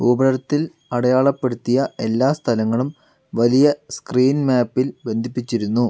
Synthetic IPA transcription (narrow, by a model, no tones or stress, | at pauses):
ubɐɾɐɾɐt̪ːil | ɐɽɐjaːɭɐpːe̞ɽut̪ːijɐe̞lːaːst̪ʰɐlɐŋːɐɭum | ʋɐlijɐskriːnmaːpːilbe̞nd̪ʱipːit͡ɕːiɾunːu